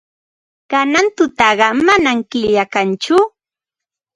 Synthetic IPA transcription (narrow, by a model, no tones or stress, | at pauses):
kanant̪ʊt̪ɑɢɑmanamkɪʎjakant͡ʃʊ